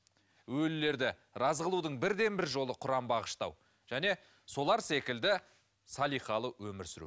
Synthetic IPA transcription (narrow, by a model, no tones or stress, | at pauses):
wɵlːe̞ɾd̪ɪ | ɾɑzʁəlˠud̪əɴbɪɾd̪e̞nbɪɾʒo̞lˠəqʰʊɾɑmbɑʁəʃt̪ɑ̰w | ʒ̥æne̞ | so̞lˠɑɾse̞kʲɪld̪ɪ | sɑlˠijχɑlˠəwɵmɪɾsɪɾṵ